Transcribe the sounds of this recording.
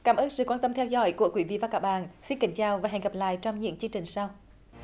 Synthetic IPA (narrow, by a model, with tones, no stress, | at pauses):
kaː˨˦mʔəː˧nsɨ̰˧˨kwaː˧nt̪ə˧mt̪ʰɛ˧wzɔ̰˧˥˦jku˧˩əkwi˨˦vḭ˧˨vaː˨˩kaː˧˥˩k̚ɓa̰ː˧˨nsi˧nka˨˩˦ŋ̟t͡ɕaː˨˩wvaː˨˩ɦɛ˨˩ŋ̟ɣə˨˩p̚la̰ː˧˨jt͡ɕɔ˧wŋ͡mɲɨ̰˧˥əŋt͡ɕɨ˧əŋt͡ɕï˨˩ŋ̟saː˧w